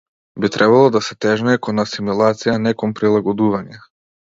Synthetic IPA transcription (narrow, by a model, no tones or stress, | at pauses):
bit̪ɾʔɛbalˠɔd̪asɛt̪ɛʒnɛɛkɔnasimulˠat̪sijanɛkɔmpɾilˠaɡɔd̪uvaɲɛ